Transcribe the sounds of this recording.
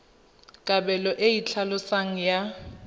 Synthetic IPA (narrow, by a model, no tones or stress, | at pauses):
kʼabɛlɔʔeit͡ɬʰalʊsaŋ̩ja